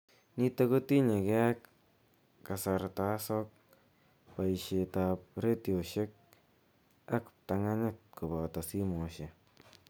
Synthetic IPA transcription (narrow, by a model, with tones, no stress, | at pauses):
ni˦te˦ko˦ti˦ɲe˨kɛ˦k | kːa˨sa˨ɾtasɔk̚ | pa˨iʃetap̚ɾe˦tioʃek̚ | a˦kp̚ta˧ŋa˦ɲɪt̚ku˨ba˨ta˨si˦mo˨ʃe